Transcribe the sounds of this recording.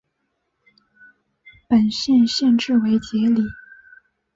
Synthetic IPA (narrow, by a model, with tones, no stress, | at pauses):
pə˨˩nɕjɛ˥˧nɕjɛ˥˧nʈ͡ʂɻ̩˥˩we˧˥ɪt͡ɕjɛ˧˥li˨˩˦